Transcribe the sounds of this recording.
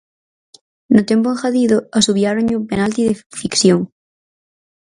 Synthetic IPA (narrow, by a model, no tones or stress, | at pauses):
nʊt̪empoeŋxaðiðʊasuβjaɾõɲupenalt̪iðefikθjoŋ